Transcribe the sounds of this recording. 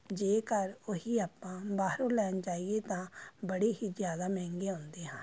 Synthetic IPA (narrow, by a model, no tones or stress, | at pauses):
d͡ʒeːkəɾoɦiːaːpːãːbaːɾõːlɛːnt͡ʃaːiet̪ãːbəɽeːɦiːzjaːd̪aːmɛ̃ːŋɡeːɦõːnd̪eːɦãː